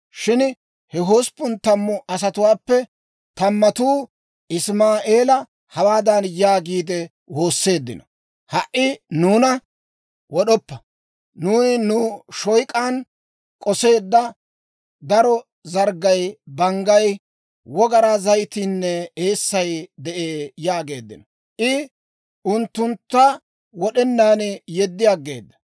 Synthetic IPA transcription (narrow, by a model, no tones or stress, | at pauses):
ʃɪn | hɛɦoːspːʊnt̪ːɐmːʊʔɐs̬ɐt̪ʊwaːpːɛ | t̪ɐmːɐt̪uː | ɪsmaːʔe̞ːlɐ | hɐwaːd̪ɐnjaːɡiːd̪ɛ | wo̞ːsːe̞ːd̪ːɪ̰nɔ | hɐʔɪnuːnɐ | wɔɗɔpːɐ | nuːnɪnʊʃɔjkʼaːn | kʼɔse̞ːd̪ːɐ | d̪ɐɾɔ | zɐɾɡɐjbɐŋɡɐj | wɔɡɐɾazɐjt̪inːɛe̞ːsːɐjd̪ɛʔeːjaːɡe̞ːd̪ːɪ̰nɔ | ʔɪ | ʊnt̪ːʊnt̪ːɐ | wɔɗɛnːaːnjɛd̪ːɪjaːɡe̞̰ːd̪ːɐ̥